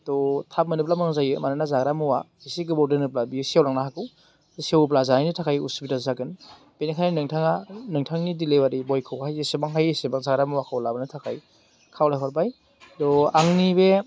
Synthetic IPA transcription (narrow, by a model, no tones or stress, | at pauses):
tɔtʰap̚mɯnɯp̬̚lamɯŋzajɯmananazaɡɾamɯwa | isiɡɯbɔwdɯnɯp̬̚labisawlaŋnaɦakɯw | dɔsiewɯp̬lazanajnitʰakʰajṵsubitazzaɡɯn | b̥enikʰanainɯŋtʰaŋanɯŋtʰaŋnidilewaɾibɔjkʰɯwhajesebaŋɦajesebaŋzaɡɾamuwakʰawlabɯnɯtʰakʰaj | kʰawlajɦɔɾbaj | dɔaŋnibe